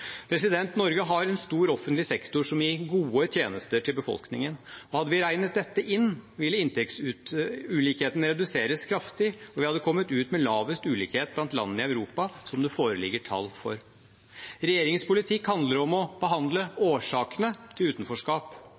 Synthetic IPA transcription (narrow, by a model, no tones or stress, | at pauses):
pʰɾɛsɪd̪ɛnt̪nɔɾɡəɦɑɾɛnst̪uːɾɔfənt̪lɪsɛkt̪ʊʂɔmjɪɡuːət̪ʰjeːnəst̪əʈʰɪlbəfɔ̰lknɪ̰ŋənɔhɑd̪ːəʋɪɾæɪnət̪̚d̪ɛt̪ːəʔɪnːʋɪlːəɪnt̪ɛksʉʉliːkheːt̪n̩ɾɛd̪ʉseːɾəskʰɾɑft̪ɪɔʋɪhɑd̪ːəkʰɔmːət̪ʉːt̪mɛlɑːʋəst̪ʉːlḭːkheːt̪̚blɑnt̪lɑ̰nːənɪɑʉɾuːpɑsɔmd̪ɛfoːɾəlɪ̰ɡəʈʰɑ̰lːfɔ̰ɾ | ɾɛjeːɾɪŋspʊlɪt̪ʰɪkhɑnd̪ləɾɔmɔb̥əɦɑnd̪ləoːʂɑːkənət̪ʰɪlʉːt̪n̩fɔʂkɑːp